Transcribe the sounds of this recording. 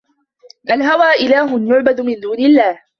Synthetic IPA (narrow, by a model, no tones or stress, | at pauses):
ʔalɦawaːʔɪlaːɦʊnjʊʕbad̪ʊmɪnd̪uːnɪlːaːh